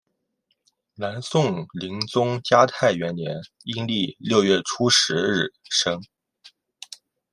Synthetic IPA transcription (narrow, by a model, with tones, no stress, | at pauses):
na˧˥nsʊ˥˩ŋli˧˥ŋt͡sʊ˥ŋt͡ɕja˥t̪ʰa˥˩ɪɥɛ˧˥nnjɛ˧˥n | i˥ŋli˥˧ljo˥˧ʊɥɛ˥˩ʈ͡ʂʰu˥ʂɻ̩˧˥ɻɻ̩˥˩ʂɤ˥ŋ